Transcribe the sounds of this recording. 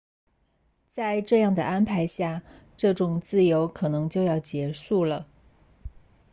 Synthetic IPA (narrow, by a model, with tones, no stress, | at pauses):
t͡sa˥˧ɪʈ͡ʂɤ˥˧jɑ˥˩ŋd̪ə˩ʔa˥npʰa˧˥ɪɕja˥˧ | ʈ͡ʂɤ˥˩ʈ͡ʂʊ˨˩ŋt͡sɹ̩˥˩jo˧˥ʊkʰɤ˨˩nɤ˧˥ŋt͡ɕjo˥˧ʊjɑ˥˩ʊt͡ɕjɛ˧˥ʂu˥˩lə˩